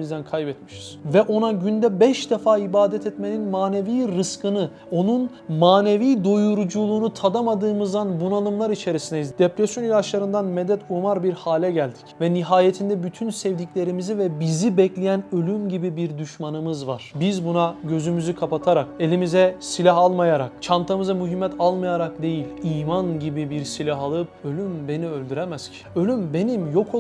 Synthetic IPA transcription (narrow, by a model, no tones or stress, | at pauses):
izd̪ænkʰajbɛt̪mi̥ʃi̥z̥vɛʔo̞naɟynd̪ɛbɛʃd̪ɛfaːibaːd̪ɛt̪ʰɛt̪me̞ninmaːne̞viːɾɯskʰɯnɯ | o̞nun | maːne̞viːd̪ojuɾud͡ʒulˠuːnut̪ʰad̪amad̪ɯːmɯzd̪anbunalˠɯmlˠaɾit͡ʃʰe̞ɾisinɛzd̪̥epɾesjo̞njlʲˠat͡ʃlˠaɾɯnd̪anmɛd̪ɛt̪umaɾbiɾhaːlʲɛɟælʲd̪i̥cvɛniɦaːjet̪ʰind̪ɛbyt̪ʰynsɛvd̪icʲlʲe̞ɾimizivɛbizibɛclʲijænølʲymɟibibiɾd̪yʃmanɯmɯzvaɾ̥bizbunaɟø̞zymyzykʰapat̪ʰaɾake̞lʲimizɛsilʲaɦalˠmajaɾa̰kt͡ʃʰant̪ʰamɯzamyɦimːɛt̪ʰalˠmajaɾak̚d̪e̞jilʲiːmanɟibibiɾsilʲaɦalˠɯp̚ø̞lʲymbe̞niølʲd̪yɾɛmæscʰi̥ø̞lʲymbe̞nimjo̞kʰ